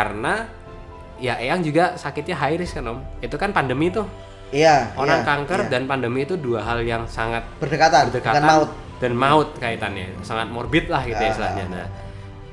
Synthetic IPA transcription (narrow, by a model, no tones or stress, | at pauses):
karəna | jaʔeaŋd͡ʒuɡasakɪt̪̚ɲaɦaɪɾɪskanɔmit̪ukanpandəmit̪u | ijaʔoɾaŋkaŋkərdanpandəmiːt̪uduaɦaljaŋsaŋat̪̚b̥ərdəkat̪abərdəkaaaʊt̪̚ | d̥anmaʊt̪̚kait̪anja̰saŋat̪̚mɔrbɪt̪̚lahkit̪ajast̪əla̰hɲa̰na̰